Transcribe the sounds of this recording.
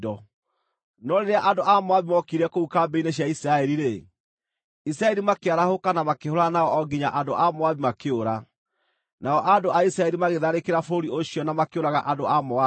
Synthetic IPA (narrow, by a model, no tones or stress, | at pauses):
dɔ | nɔɾeɾeaʔandoʔamoaβimɔkiɾɛkoukambeineɕjaisɾaɛɾiɾe | is̬ɾaɛɾimakeaɾahokanamakehoɾanaɔɔɡiɲaʔandoʔamoaβimakeoɾa | naɔʔandoʔaisɾaɛɾimaɣeðaɾekeɾafoɾioɕiɔnamakeoɾaɣaʔandoamoa